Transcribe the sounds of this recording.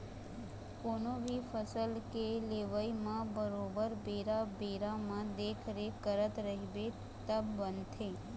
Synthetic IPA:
konobifəsəlkeleʋəimãbəɾobəɾbeɾabeɾamãd̪ekʰɾekəɾət̪ɾəɦibe | t̪əbːənt̪ʰe

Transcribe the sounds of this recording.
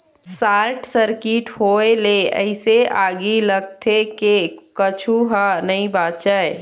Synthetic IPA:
saːɾʈsəɾkiʈhoeleə̰ɪseaːɡiləɡ̚t̪ʰekekət͡ʃʰuɦanəĩbaːt̪d͡ʒaːe

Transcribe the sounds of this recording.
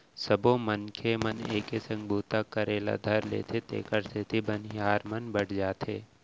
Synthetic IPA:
səbõmənkʰeməneːkesə̃ŋɡbʱuːt̪akəɾeːla̰d̪ʱɐɾlḛːt̪ʰet̪ḛːkəɾst̪ʰet̪ʰibənjaːɾmənbəɽ̤ʰd͡ʒaːt̪ʰeː

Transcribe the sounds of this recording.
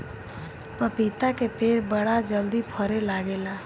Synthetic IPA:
pəpit̪akepeɾbəɽad͡ʒəld̪ipʰəɾelaɡela

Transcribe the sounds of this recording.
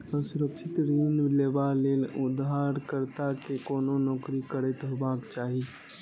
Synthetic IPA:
əsʊɾəkʃɪt̪ɾiːnleːbaleːlʊd̪ɦaːɾkəɾt̪akekoːnonɔːkɾikəɾet̪baːkt͡ʃaːɦi

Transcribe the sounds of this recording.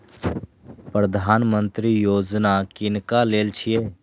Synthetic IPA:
pɾəd̪ʱaːnmə̃nt̪ɾijoːd͡ʒnakɪnkaleːlt͡ʃʰijeː

